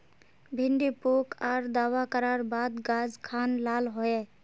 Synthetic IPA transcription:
bʱiɳɖipukʰaɾd̪awakəɾaɾbad̪ɡad͡ʒkʰanlalɦoe

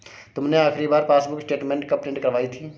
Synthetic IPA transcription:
t̪ʊmneaːxʰɾibaːɾpaːsbʊksʈeːʈmẽːɳʈkəpẽːɳʈkəɾʋaːit̪ʰiː

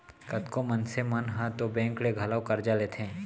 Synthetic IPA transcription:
kɐt̪komənsemɐnɦãt̪obɛ̃ːŋkɽeɡʱɐlawkɐɾd͡ʒalet̪ʰẽː

